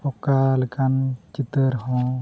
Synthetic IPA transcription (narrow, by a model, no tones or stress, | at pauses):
ɔkaləkant͡ʃit̪əɾɦɔ̃